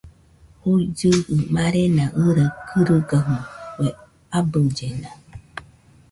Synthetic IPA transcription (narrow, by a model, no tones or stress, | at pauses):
hud͡ʒɨɨmaɾenaʔəɾəkʰɨɾəɡəɦuwe | abəd͡ʒena